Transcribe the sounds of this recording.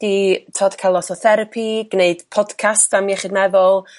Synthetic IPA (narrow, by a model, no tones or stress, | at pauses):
d̥itʰoːd̥kʰalˠɔsɔθɛɾəpʰiɡ̥neɨd̥pʰɔd̥kʰastamiɛχɪdmɛvɔlˠ